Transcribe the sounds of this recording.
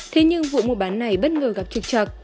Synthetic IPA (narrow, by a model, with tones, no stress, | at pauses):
t̪ʰe˨˦ɲɨ˧ŋvṵ˧˨mo˨˩t̚ɓaː˨˦nːa˨˩jɓə˦˥t̚ŋəː˨˩ɣa˨˩p̚t͡ɕɨ˨˩k̚t͡ɕə˨˩k̚